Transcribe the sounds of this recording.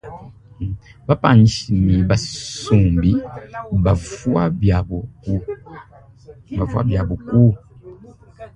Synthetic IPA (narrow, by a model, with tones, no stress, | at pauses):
ba˦pa̰˨ɲi˨ʃi˨mi˨ba˨su˨mbi˦ba˨vwa˦ba˨bɔ˨ku˦ | ba˨vwa̰˦bja˨bo˨ku˦